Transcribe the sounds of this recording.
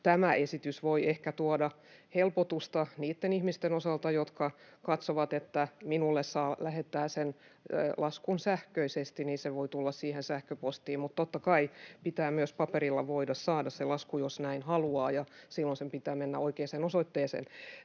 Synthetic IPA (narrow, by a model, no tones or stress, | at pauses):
t̪æmæʔesit̪ysʋoiehkæt̪uodɑ | helpot̪ust̪ɑniːt̪ːenihmist̪enosɑlt̪ɑjot̪kɑkɑt̪soʋɑt̪et̪ːæminulːessɑːlæhet̪ːæːsenlɑskunsæhkøisest̪iniːseʋoit̪ulːɑssiːhensæhkøpost̪iːmmut̪t̪ot̪ːɑkɑipit̪æːmyøspɑperilːɑʋoidɑssɑːdɑsselɑskujosnæinhɑluɑːjɑsilːonsempit̪æːmenːæ̰oikeːsenosoit̪ːeːsḛːn